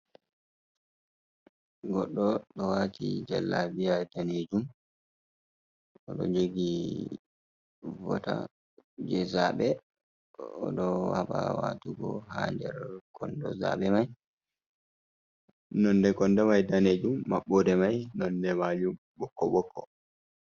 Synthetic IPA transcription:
ɡɔɗːɔɗɔwatʰid͡ʒɛlːabijadaned͡ʒum | ɔɗɔ̰d͡ʒeɡi | vɔ̰ta | d͡ʒɛzaɓɛ | ɔ̰ɗɔhaɓa̰wa̰ːtuɡɔ̰haːndɛɾkʰɔndɔ̰za̰ːɓɛmaj | nɔndɛkɔndɛmajdaned͡ʒumːaɓːɔdɛmajnɔndɛmad͡ʒum | bɔkːɔɓɔkʰːɔ

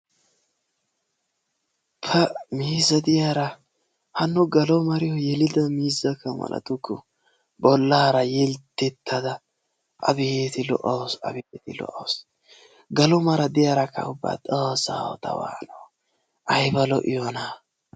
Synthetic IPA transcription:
pʰɐmiːzɐd̪ɪjaɾɐ | hɐnːʊɡɐlɔmɐɾɪjɔjɛlɪd̪ɐmiːzɐkːɐmɐ̰lʔɐ̰t̪ʊkːɔ | bɔlːaːɾɐjɛlt̪ːɛt̪ːɐd̪ɐ | ʔɐ̰bijt̪ɪlɔ̰ʔɐwsɐ̰bɪt̪ɪlɔ̰ʔɐws | ɡɐlɔmɐɾɐd̪ɪjaːɾɐkːɐ̰ʊbːa̰ːt̪ʼoːsːa̰ːwɔ̰t̪ɐ̰wa̰ːno | ʔɐjbɐlɔʔɪjɔna

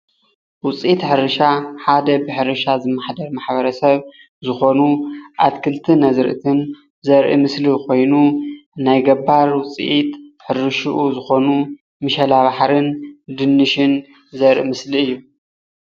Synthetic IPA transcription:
wʊt͡sʼʔit̪ħɨɾɨʃaħad̪ɐbɨħɨɾɨʃazɨmːaħd̪ɐɾmaħβɐɾɐsɐβ | zɨxo̞nuʔat̪kʰɨlt̪ʰɨnɐzɾʔɨ̰t̪ʰɨn | zɐɾʔḭmɨslikʰo̞jnunajɡɐbːaɾwʊt͡sʼḭʔit̪ħɨɾɨʃuʔuzɨxo̞nu | mɨʃɐlaβaħɾɨnd̪ɨnːɨʃɪn | zɐɾʔḭmɨsliɨjːu

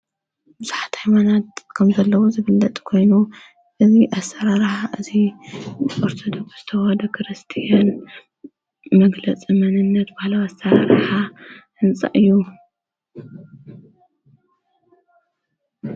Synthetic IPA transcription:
bɨz̥aħḁt̪hajmanat̪kʰɐmzɐlːɐwozɨβɨlːɐt̪ʼkʰo̞jnu | ʔɨziʔasːɐɾaɾħaʔɨzi | oɾt̪ʰod̪okz̥ɨt̪ʰɐwad̪ɐkʰɾɨst̪ʰijan | mɐɡlɐt͡sʼimɐnɨnːɐt̪bahlawasːɐɾaɾħa | ɨnt͡sʼa̰ʔɨjːu

